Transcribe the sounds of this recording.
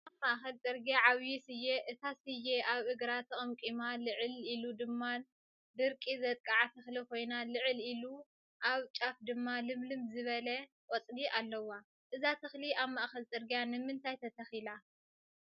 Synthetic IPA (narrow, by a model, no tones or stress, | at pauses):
amaʔxɐlt͡sʼɨɾɡjaʕawjisɨjeʔɨt̪ʰasɨjːeʔaβɨɡɾat̪ʰɐχʼɐmkʼimalɨʕɨlilud̪ɨmːa | d̪ɨɾkʼizɐt̪ʼkʼaʕat̪ʰɐxlikʰo̞jnalɨʕɨlilu | ʔaβt͡ʃʼafd̪ɨmːalɨmlɨmzɨβɐlɐ | kʼot͡sʼdiʔalːɐwa | ʔɨzat̪ʰɨxliaβmaʔxɐlt͡sʼɨɾɡjanɨmɨnt̪ʰajt̪ʰɐt̪ʰɐxila